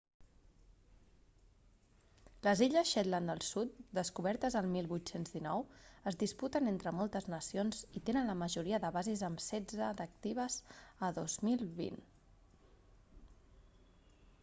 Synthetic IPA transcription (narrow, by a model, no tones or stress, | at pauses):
ləziʎəsʃɛt̪land̪əlˠsut̪̚d̪əskuβ̞ɛɾt̪əzəlˠmilˠβut̪senzðinɔwəzðisput̪ənent̪ɾəmɔlˠt̪əznəsionz̥it̪enənləməʒuɾiəðəβazizəmsɛd͡zəd̪ək̚t̪iβ̞əzəðozmilˠβḭn